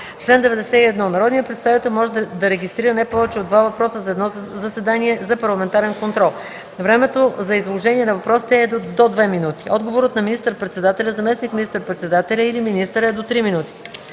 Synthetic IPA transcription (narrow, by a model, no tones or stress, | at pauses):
t͡ʃlɛnd̪ɛvɛd̪ɛsɛiɛd̪nɔnɐɾɔd̪nijəpɾɛt̪st̪avit̪ɛlˠmɔʒɛd̪d̪ɐɾɛɡʲist̪ɾiɾənajpɔvɛt͡ʃɛod̪vavɐpɾɔsəzɐɛd̪nɔzɐsɛd̪aniɛzɐpɐɾlˠɐmɛnt̪aɾɛnkont̪ɾɔlˠ | vɾɛmɛt̪ozɐizlˠoʒɛniɛnɐvɐpɾɔsi̥t̪ɛɛd̪od̪vɛminut̪i̥ʔɔd̪ɡovoɾət̪nɐminist̪əɾpɾɛt̪sɛd̪at̪ɛlʲɐzɐmɛsnikmʲinist̪əɾpɾɛt̪sɛd̪at̪ɛlʲɐiliminist̪əɾɛd̪ot̪ɾiminut̪i̥